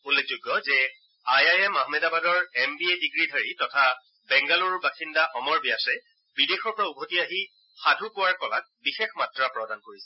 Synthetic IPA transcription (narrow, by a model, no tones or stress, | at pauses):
ulːek̚ʰzʊjɡːɔzɛ | ajajɛmaɦmɛdabadɔɹɛmbiediɡɹidʱaɹitɔtʰa | bɛŋɡaluɹbaxindaxɔmɔɹbiasɛ | bidexɔɹpɔɹaubʱotiaɦi | xadʱukʊwaɹkɔla̰k̚bixexmatɹapɹɔdankoɹisɛ